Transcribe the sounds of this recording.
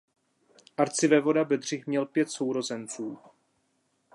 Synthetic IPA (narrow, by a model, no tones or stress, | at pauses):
ʔaɾt͡sɪvɛvo̞dabɛd̪r̝ɪxmɲɛlpjɛt̪so̞wɾo̞zɛnt͡suː